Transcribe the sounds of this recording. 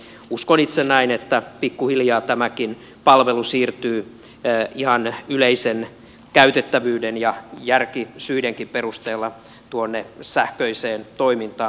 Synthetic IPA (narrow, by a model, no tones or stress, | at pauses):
uskonit̪senːæinet̪ːæpikːuhiljɑːt̪æmækin | pɑlʋelusiːrt̪yː | ihɑnyleisen | kæyt̪et̪ːæʋyːdenjɑjærkisyideŋkimperust̪eːlːɑ | t̪uonːesæhkøiseːnt̪oimint̪ɑː